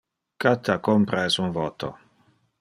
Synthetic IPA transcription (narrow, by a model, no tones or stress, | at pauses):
kat̪ʰːakompɾasunvot̪o̰